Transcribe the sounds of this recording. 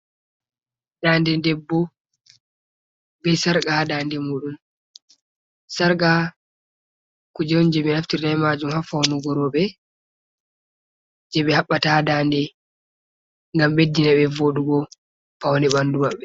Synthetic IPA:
dandɛndɛbːɔ | bɛsaɾɡadaːndɛmuːɗum | saɾɡa | kud͡ʒɔwnd͡ʒɛmɛnaftiɾnajmad͡ʒumhafawnuɡɔɾɔɓɛ | d͡ʒɛɓɛhaɓːatadandɛ | ŋɡamɓedːinaɓɛvoɗuɡɔ | pawndɛɓandumaɓːɛ

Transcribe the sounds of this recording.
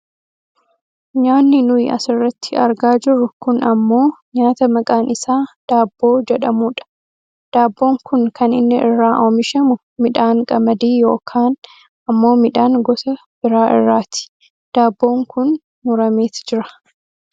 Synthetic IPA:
ɲaːnːɪnʊjɐ̰sɪrːɐt̪ːɪɐ̰ɾɡaːd͡ʒɪɾʊkʊnɐmːo̞ːɲaːt̪ɐmɐkʼaːnɪsaːd̪̥aːbːo̞ːd͡ʒɛᶑɐmuːᶑɐ̥ | d̪̥aːbːo̞ːŋkʊnkɐnɪnːɪʔɪrːaːʔoːmɪʃɐmʊ | mɪᶑaːŋkʼɐmɐd̪iːjo̞̰ːkʰaːn | ɐmːo̞ːmɪᶑaːŋɡɔsɐ | b̥ɪɾaːʔɪ̰rːaːt̪ɪ̥ | d̪̥aːbːo̞ːŋkʊn | mʊɾɐmeːt̪d͡ʒɪɾɐ̥

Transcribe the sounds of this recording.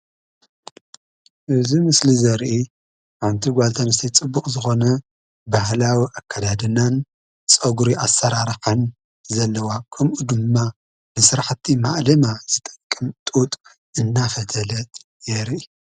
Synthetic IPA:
ʔɨzimɨslizɐɾʔi | ʔʕant̪ʰiɡʷalt̪ʰanɨst̪ʰɐjt͡sʼɨbːukʼzɨxo̞nɐ | bahlawiʔakʰːad̪ad̪ɨnan | t͡sʼɐɡuɾiʔasːɐɾaɾħɨn | zɐlːɐwakʰɐmʔud̪ɨmːa | nɨsɨɾaħt̪ʰːimaʔlɐmaz̥ɨt̪ʼɐ̥kʼːɨmt̪ʼut̪ʼ | ʔɨnːafɐt̪ʰɐlɐt̪ | jɛɾʔi

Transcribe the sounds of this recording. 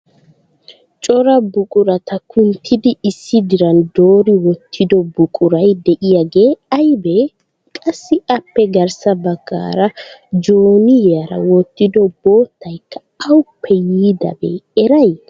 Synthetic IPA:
t͡ʃʼɔɾɐbʊkʼʊɾɐt̪ʰɐkʰʊnt̪ʰɪd̪ɪːsːɪd̪ɪɾɐnd̪o̞ːɾɪwɔt̪ʰːɪd̪ɔbʊkʼʊɾɐjd̪ɛʔɪjɐɡe̞ːɐjbe | kʼɐsːɪɐpːɛɡɐɾsɐbɐɡːa̰ːɾɐd͡ʒoːnɪjɐɾɐ̰wɔt̪ːɪd̪ɔbo̞ːt̪ːɐjkːɐ̥ | ɐwʊpʰːɛjiːd̪ɐ̰bḛːɛɾɐj

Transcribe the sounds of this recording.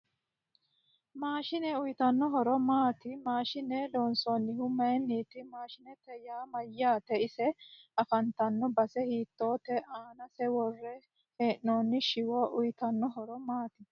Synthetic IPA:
maːʃɪnɛʊjɪt̪ɐnːɔɦɔɾɔmaːt̪ɪmaːʃɪned̪oːnsɔːnːɪhʊmːɐjɛnːiːt̪ɪmaːʃɪnɛt̪ɛjaːmɐjːaːt̪ɛɪsɛɐfɐnt̪ɐnːɔbɐsɛhiːt̪ːo̞ːt̪ɛʔaːnɐsɛwɔrːɛ | heːʔnoːnːɪʃɪwɔʔʊjɪt̪ɐnːɔɦɔɾɔmaːt̪ɪ

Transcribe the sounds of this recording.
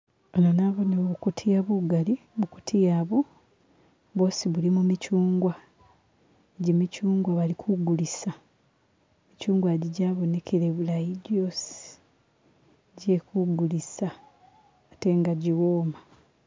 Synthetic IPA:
onanaβo̞noβukutʰijaβuɡaliβuku̥tʰijaːβo | βosiβulimumicuːŋɡwa | eɟimicuːŋɡwaβalikʰuɡulisa | micuːŋɡwaɟiɟaːβo̞nekʰeɾeβulajiɟosi̥ | ɟekuɡulisaː | teŋɡaɟiwoːma

